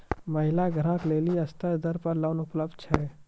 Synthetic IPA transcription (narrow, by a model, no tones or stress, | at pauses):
məɦɪlaɡʱəɾãːkleːliəst̪əd̪əɾpəɾlaʊnʊpləb̚d̪̚t͡ʃʰɛː